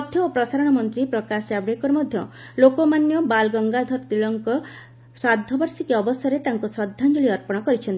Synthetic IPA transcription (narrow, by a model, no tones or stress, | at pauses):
ɔt̪ʰjɔopɾɔsaɾɔɽ̃ɔmɔnt̪ɾipɾɔkasabɽekɔɾmɔd̪ʱjɔlokɔmanjɔbalɡɔŋɡad̪ʱɔɾt̪iɭɔŋkɔ | sad̪ʱːɔbɔɾsikiɔbɔsɔɾet̪aŋkusɾɔd̪ʱːand͡ʒoɭiɔɾpɔɽ̃ɔkɔɾit͡ʃʰɔnt̪i